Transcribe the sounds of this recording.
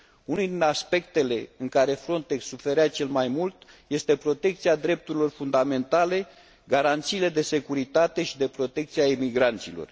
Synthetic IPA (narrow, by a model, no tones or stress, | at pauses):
unud̪inaspe̞kt̪e̞le̞ɨŋkaɾe̞fɾo̞nt̪e̞ksːufe̞ɾeat͡ʃe̞lmajmult̪ | je̞st̪e̞pɾo̞t̪e̞k̚t̪siad̪ɾe̞p̚t̪uɾilo̞rfund̪ame̞nt̪ale̞ | ɡaɾant̪siːle̞d̪e̞se̞kuɾit̪at̪e̞ʃid̪e̞pɾo̞t̪e̞k̚t̪siaimiɡɾant̪silo̞̰r